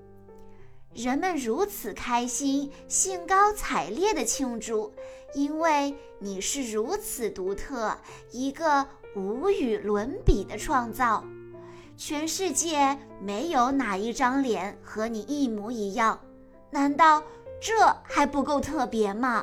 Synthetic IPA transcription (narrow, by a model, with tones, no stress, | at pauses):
ɻə˧˥nmə˧nɻu˧˥t͡sʰɹ̩˨˩kʰa˥ɪɕi˥nɕi˥nkɑ˥ʊt͡sʰa˨˩ɪljɛ˥˩d̪ə˩t͡ɕʰi˥ŋʈ͡ʂu˥˩i˥nwe˥˩ɪ | ni˨˩ʂɻ̩˥˩ɻu˧˥t͡sʰɹ̩˨˩t̪u˧˥t̪ʰɤ˥˩ | i˧˥ɡə˧u˧˥y˨˩lwə˧˥npi˨˩d̪ə˦ʈ͡ʂʰwɑ˥˧ŋt͡sɑ˥˩ʊ | t͡ɕʰɥɛ˧˥nʂɻ̩˥˧t͡ɕjɛ˥˩ | me˧˥ɪjo˧˥ʊna˨˩i˥˩ʈ͡ʂɑ˥ŋljɛ˧˥nxɤ˧˥ni˨˩i˥˩mu˧˥i˧˥jɑ˥˩ŋ | na˧˥nt̪ɑ˥˧ʊʈ͡ʂɤ˥˩xa˧˥ɪpu˧˥ko˥˧ʊt̪ʰɤ˥˩pjɛ˧˥mɐ˧